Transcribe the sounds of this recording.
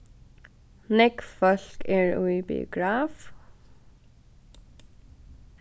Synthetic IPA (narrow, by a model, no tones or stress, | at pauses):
nɪkfœɬkɛɹuibḭʊ̰ɡɹaːf